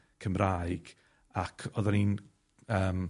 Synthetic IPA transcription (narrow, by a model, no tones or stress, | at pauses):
kʰəmraːjɡ̥ | akʰɔðanin | əːm